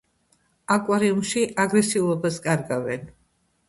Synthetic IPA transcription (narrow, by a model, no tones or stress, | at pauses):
akʼwaɾiumʃiʔaɡɾɛsiulˠɔbaskʼaɾɡavɛn